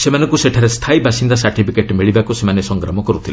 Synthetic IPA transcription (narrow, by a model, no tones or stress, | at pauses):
semanɔ̃ŋkuseʈʰaɾest̪ʰaibʱasind̪asaɾʈipʰikeʈmiɭibakusemanesɔŋɡɾɔmɔkɔɾut̪ʰil